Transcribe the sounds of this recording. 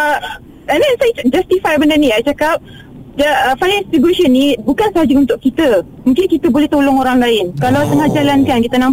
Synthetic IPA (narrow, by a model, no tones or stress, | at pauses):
ənd̪ɛnsajd͡ʒast̪ifajbəndanĩajt͡ʃakap̚ | d͡ʒafajnɛ̃nsfiɡuɾeʃənːĩbukansəɦad͡ʒaunt̪ʊʔkkit̪ə | mũŋkɪnkit̪əbolɛht̪olɔŋoɾaŋlaɪnkalawt̪əŋahd͡ʒalankankit̪ənãm